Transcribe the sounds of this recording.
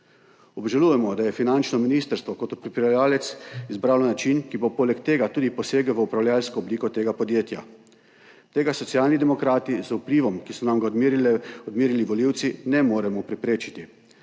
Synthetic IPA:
ɔbʒalujɛmɔd̪ajɛfinant͡ʃnɔminiːst̪əɾst̪ʋɔkot̪ɔpɾipɾɛlaːlɛt̪sizbɾawlɔnat͡ʃinkibopolɛkt̪eːɡat̪uːd̪ipɔseːɡəʋəupɾawljalskɔːbliːkɔt̪eːɡapɔd̪jeːt̪ja̰ | t̪eːɡasɔt̪sjaːlnid̪ɛmɔkɾaːt̪izupliːʋɔmkisɔnamɡa | ɔd̪miːɾiliʋɔliwt̪sinɛmoːɾɛmɔpɾɛpɾeːt͡ʃi̥t̪i

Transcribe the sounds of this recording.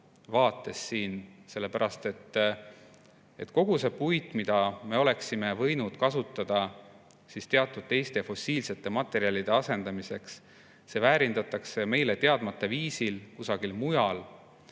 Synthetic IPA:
vɑːt̪ːˑe̞sːiːnse̞lːe̞pæɾɑst̪e̞t̪ː | e̞t̪ko̞ɡ̥use̞pujt̪ˑmid̪̥ɑme̞o̞le̞ksime̞vɤ̞jnud̪̥kɑsut̪ˑːɑd̪̥ɑ | sist̪e̞ɑt̪ːˑud̪̥̚t̪e̞jst̪e̞jfo̞siːlse̞t̪ːˑe̞mɑt̪ːˑe̞ɾiɑlid̪e̞ɑse̞nd̪ɑmise̞ks | se̞væːɾind̪̥ɑt̪ːˑɑkse̞me̞jle̞t̪e̞ɑd̪̥mɑt̪ːˑɑviːsilkusɑɡ̥ilmujɑl

